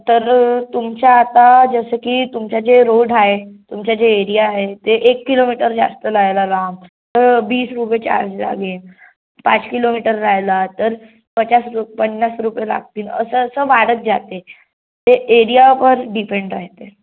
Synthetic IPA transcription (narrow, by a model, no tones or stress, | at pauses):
t̪əɾt̪umt͡ɕaːt̪ad͡zəsəkiːt̪umt͡ɕad͡ʑeɾoɖaɦet̪umt͡ɕad͡ʑeːɾijaːɦet̪eʔekːilomiʈəɾd͡za̰st̪əlajlalam | t̪əɾbiːsɾupjet͡ɕa̰ɾd͡zla̰ɡeːn | pa̰t͡skilomiʈəɾːajlat̪əɾ | pət͡ɕasɾupənːasɾupjela̰ɡ̚t̪iːnə̰səəsəːʋaɽət̪̚d͡zat̪e | t̪eʔeɾijapəɾɖipeɳɖɾa̰ɦt̪e